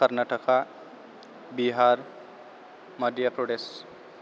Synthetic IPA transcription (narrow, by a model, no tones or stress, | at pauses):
əɾnaʈəkʰa | biɦaɾ | mʌd̪japɾoɖes